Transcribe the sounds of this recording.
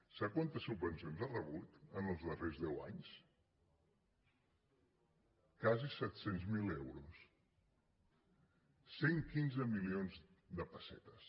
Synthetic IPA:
sakwant̪əsubbənsionzarəβut̪ənəlˠzðərezðɛwa̰ɲs | kazisɛt̪senzmilɛwɾus | seŋkinzəmilionzd̪əpəsɛ̰t̪əs

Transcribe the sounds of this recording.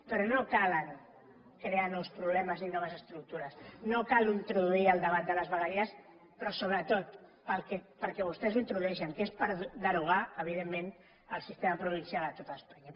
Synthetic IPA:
pəɾonokaləŋ | kɾeanɔwspɾuβlɛməzninɔβəzəst̪ɾuk̚t̪uɾəsnokaluint̪ɾuðuiəlˠd̪əβat̪̚d̪ələzβəɣəɾiəs | pɾɔsoβ̞ɾət̪ot̪̚pəlkɛpəɾkɛβust̪ɛzuint̪ɾuðuɛʃəŋkespəɾðəɾuɣ̞aəβ̞iðemːẽn | əlˠsist̪eməpɾuβ̞insjalət̪ot̪aːspaɲa

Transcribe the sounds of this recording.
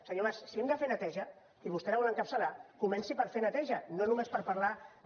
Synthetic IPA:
səɲoβassiɛmd̪əfenət̪ɛʒə | iβust̪ɛɾəβɔləŋkəpsəlakumɛnsipəɾfenət̪ɛʒənonumespəɾpaɾla

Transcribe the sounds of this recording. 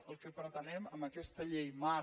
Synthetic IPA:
əlˠkəpɾət̪ənɛməmbəkɛst̪əʎejma

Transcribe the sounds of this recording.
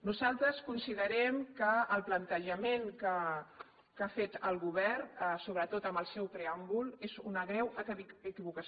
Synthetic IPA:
nuzalˠt̪ɾəskunsiðəɾɛmkəːlˠplənt̪əʒəmenkə | kafet̪əlˠɣuβɛrsoβɾət̪ot̪əmbəlˠsɛwpɾeambulˠezunəɣɾɛwəkəkiβukə

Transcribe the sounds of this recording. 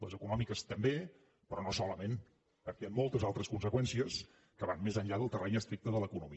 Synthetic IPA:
ləzəkunɔmikəst̪əmbe | pɾɔnosɔləmen | pəɾkɛəmːɔlˠt̪əzalˠt̪ɾəskunsəkwɛnsiəs | kəβanmezəɲʎaðəlˠt̪ərɛɲəst̪ɾik̚t̪əðələkunumi

